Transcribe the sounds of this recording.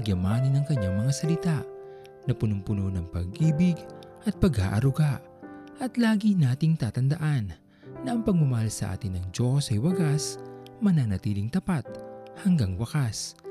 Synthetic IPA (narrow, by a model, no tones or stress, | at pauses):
ɐɡjɐmaːnɪnɐŋkɐɲːaŋmɐŋasɐlɪt̪aʔ | nɐpʊnʊmpʊnonɐŋpɐ̰ɡ̚ʔiːbɪɡ | ʔɐt̪̚pɐɡha̰ːʔɐɾʊɡaʔ | ʔɐt̪laːɡinaːt̪ɪŋt̪aːt̪ɐnd̪ɐʔanː | ɐʔɐŋpɐɡ̚ʊmɐhalsɐʔa̰ːt̪ɪnːɐŋd͡ʒo̞sɐjwɐɡasmɐnanɐt̪iːlɪŋt̪ɐpat̪̚hɐŋɡaŋwɐkas